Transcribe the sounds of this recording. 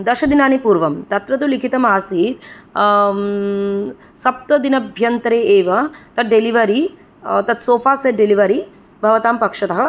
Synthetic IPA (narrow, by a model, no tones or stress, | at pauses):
d̪ɐʃɐd̪inaːnipuːɾʋɐmt̪ɐt̪ɾɐt̪̬ulikʰit̪ɐmaːsiːt̪ | sɐp̚t̪ɐd̪inɐbʱjɐnt̪ɾeːeːʋɐt̪ɐɖeliʋɐɾi | t̪ɐt̪soːfaːseɖeliʋɐɾi | bʱɐʋɐt̪aːmpɐkʂɐt̪ɐɦɐ̆